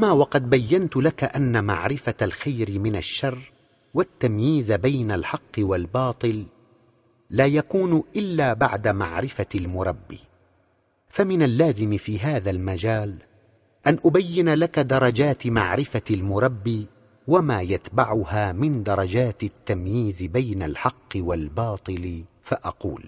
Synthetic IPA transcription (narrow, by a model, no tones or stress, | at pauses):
ʔamaːwɑqɑd̪̚bajːant̪ʊlakaʔanːama̰ʕɾɪfaalxajɾɪmɪnaʃːɑrˤː | wat̪ːamjiːzbajnalħɑqːɨwalbɑːt̪ˤɨl | aːjakuːnʔɪlːaːbaʕd̪ama̰ʕɾɪfalmʊɾˤɑbːḭː | famɪnalːaːzɪmfiːɦaːðalmad͡ʒaːl | ʔanʔʊbajːɪnalakad̪ɑɾˤɑd͡ʒaːt̪ma̰ʕɾɪfalmʊɾˤɑbːiː | wamaːjat̪baʕʊhaːmɪnd̪ɑɾˤɑd͡ʒaːt̪t̪ːamjiːzbajnalħɑqːɨwalbɑːt̪ˤɨl | faʔɑqṵːl